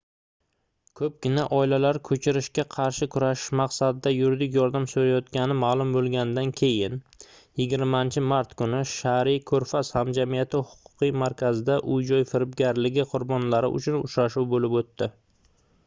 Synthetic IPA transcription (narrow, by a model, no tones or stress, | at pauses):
kʰɵp̚ɡʲɪnaʔɒɪlalaɾkʰɵt͡ʃʰɪɾɪʃkʲaqʰɑɾʃɪkʰʊɾaʃɪmɑqsad̪ɪd̪ajʊɾd̪ɪkʲjɒɾd̪amsoɾajɒt̪kʲanɪmalˠʊmbolˠɡʲanɪd̪ankʲʰe̞jɪn | jɪɡʲɪɾmant͡ʃʰɪmaɾt̪kʰʊnɪʃaɾikʲʰɵɾfashamd͡ʒamijat̪ʰɪhʊ̥qʰʊ̥qijmaɾkʲʰazɪd̪aʔʊjd͡ʒɒjfɪɾɪpɡʲaɾlɪɡʲɪqʰʊɾbɒnlaɾɪ̰ʊ̰t͡ʃʰʊnʊ̰t͡ʃɾaʃuwbolɪpot̪ːɪ